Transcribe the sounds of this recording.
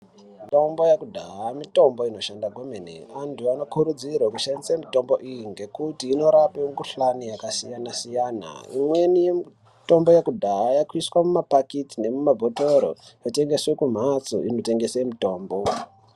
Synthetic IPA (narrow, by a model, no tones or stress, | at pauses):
mito̞mbojakudʱaamito̞mbo̞ino̞ʃandaɡʱomenḭantuano̞kuɾud͡zirwakuʃandisamito̞mbo̞ʔijiŋɡe̞kutiːno̞ɾapeŋɡuɬanijakasijanasijaːna̰ḭmwe̞nijem | to̞mbo̞jakudʱaːjakwiswamumapakitine̞mumabʱotoɾo̰jote̞ŋɡe̞swe̞kum̤at͡so̰inote̞ŋɡe̞semito̞ːmbo